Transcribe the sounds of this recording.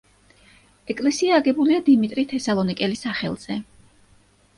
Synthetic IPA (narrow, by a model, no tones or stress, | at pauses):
ɛkʼlɛsiaːɡɛbuliad̪imit̪ʼɾit̪ʰɛsalˠɔnikʼɛlisaχɛ̰lˠz̥ɛ